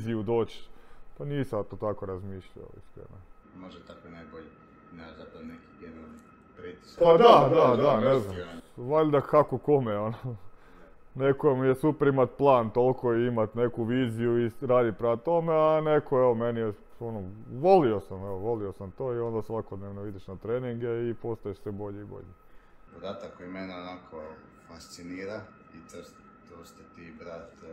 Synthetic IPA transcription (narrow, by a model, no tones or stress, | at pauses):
ziud̪oːt͡ʃpaniːsat̪ot̪akoɾazmiːʃʎa̰o̰ḭskḛɾa̰moʒet̪akonajboʎi | nezat̪onekiɡed̪o | pɾit̪i̥spad̪ad̪ad̪aneznamʋaʎd̪akakokomeono | nekomijesupeɾimat̪̚plˠaːnt̪olˠkʰoiimat̪ne̞kuʋiːzijuiɾaːd̪ipɾat̪o̞meane̞kʰoeʋomenije | onoʋo̞lio̞sameoʋo̞lio̞samt̪oːio̞nd̪asʋako̞d̪neʋnoid̪iʃnat̪ɾeːniŋɡeipo̞st̪ajeʃsʋebo̞ʎeibo̞̰ʎe | od̪aːt̪akːojmeneonakʰo | fast̪siniːɾa | it̪os | t̪ost̪at̪ibɾaːt̪